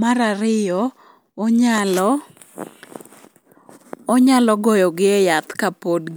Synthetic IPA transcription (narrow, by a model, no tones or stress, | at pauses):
maɾaɾɪjɔ | ɲalɔ | ɲalɔɡɔjɔɡɪɛjat̪kapodɡ